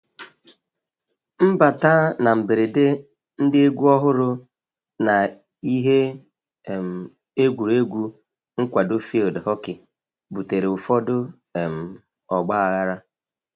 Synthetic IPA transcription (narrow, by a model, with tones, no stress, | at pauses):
m̩˦ba˨taː˦na˨m̩˨be˨ɾɪ˨de˦ | n̩˦dɪ˦e˦ɡʷu˦ɔ˦ɦʊ˦ɾʊ˦ | na˨ | i˦ɦe˦˨ | m̩˨ | e˦ɡʷu˨ɾe˦ɡʷu˦ | ŋ̩˦kʷa˨do˦fi˦o˨dɪ˨ɦɔ˦kɪ˨ | bu˨te˨ɾe˨ʊ˨fɔ˦dʊ˦˨ | m̩˨ | ɔ˨ɡ͡ba˦a˨ɣa˦ɾa˦